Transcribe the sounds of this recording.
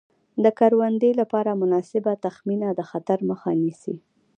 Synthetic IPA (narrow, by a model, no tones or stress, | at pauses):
d̪əkaɾwand̪əjlapɑɾamʊnɑsɪbat̪axminad̪əxat̪aɾməxanisḭ